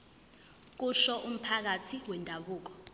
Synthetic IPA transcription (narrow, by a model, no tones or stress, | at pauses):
k̬uʃɔʔum̩pʰak̬atʰiwɛndʱaɓuːk̬ɔ̥